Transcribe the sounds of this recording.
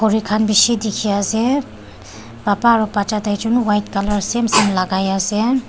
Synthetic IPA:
kʰoɾikʰanbisid̪ikʰijase | bapaɾɔpat͡ʃat̪ajt͡ʃunuwajtkaləɾsemsemlaɡajase

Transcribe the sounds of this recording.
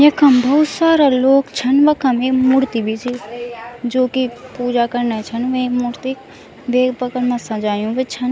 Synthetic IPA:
jɐkʰɐmbʱɐɦʊt̪saːɾaloːkt͡ʃʰɐnʋɐkʰɐmeːkmuɾt̪ibʱid͡ʒi | d͡ʒoːkipuːd͡ʒakɐɾnat͡ʃʰɐnʋẽekmuɾt̪i | beːpɐkəɾmɐsãd͡ʒaːjũʋət͡ʃʰɐn

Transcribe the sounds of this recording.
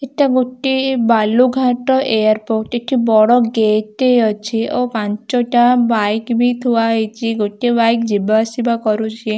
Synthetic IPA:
eʈaɡoʈːibaluɡʱaʈɔʔejaɾpoʈeʈʰibɔɽɔɡeʈeɔt͡ʃʰiʔopãɲt͡ʃɔʈabajkbʱit̪ʰuʋaɦet͡ʃʰiɡoʈibajkd͡ʒibasibakɔɾut͡ʃʰie

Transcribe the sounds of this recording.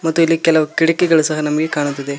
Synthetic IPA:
mɐt̪ːuilːikɛlɐʋɐkiɽɐkːɛɡɐɭusɐɦɐnɐmɐɡekaːɳut̪ːid̪e

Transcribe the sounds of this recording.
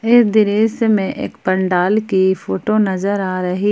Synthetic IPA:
ɪd̪ɪɾeːsmẽʔḛːkpɐ̃ɳɖaːlkifoːʈonɐzəɾaːɾɐɦi

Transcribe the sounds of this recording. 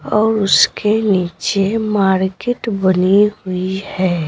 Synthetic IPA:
ɔːɾʊskeniːt͡ʃemaːɾkɪʈbəniɦʊihɛː

